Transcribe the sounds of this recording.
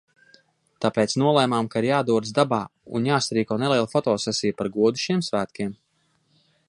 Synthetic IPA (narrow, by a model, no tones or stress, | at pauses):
t̪apeːt̪snuɔlˠɛjmaːmkaiɾjaːd̪uɔd̪sd̪abaːṵnjaːst̪ɾiːkɔːneliɛlˠfɔt̪ɔːsɛsijpaɾɡuɔd̪u̥ʃiɛmsvæːt̪kʲiɛm